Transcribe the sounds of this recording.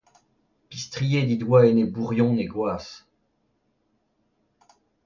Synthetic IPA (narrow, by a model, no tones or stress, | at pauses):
pist̪χijed̪id̪waenebuʁjɔ̃neɡwaːs